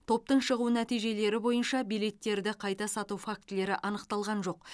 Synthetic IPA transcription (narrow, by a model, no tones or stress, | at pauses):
t̪ʰo̞p̚t̪əɴʃəʁunæt̪ijʒe̞le̞ɾɪbo̞jənʃɑbijle̞t̪ːe̞ɾd̪ɪqʰɑjt̪ɑsɑt̪ufak̚t̪le̞ɾɪʔɑnəqt̪ɑlˠʁɑnʒo̞q